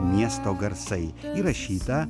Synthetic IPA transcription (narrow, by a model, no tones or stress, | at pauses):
mʲest̪ɔɡɐɾt̪sɛjiɾɐɕːit̪ɐ